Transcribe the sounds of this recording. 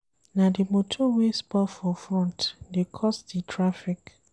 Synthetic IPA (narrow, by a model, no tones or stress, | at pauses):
nadimotʰɔwespafɔfɹɔ̃ntdekʰɔstditʰɹafik